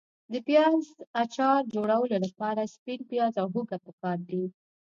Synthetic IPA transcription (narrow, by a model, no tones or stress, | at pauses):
d̪əpjɑzat͡ʃɑɾd͡ʒoɽawəlolapɑɾaspinpjɑzawɦuɡapəkɑɾd̪i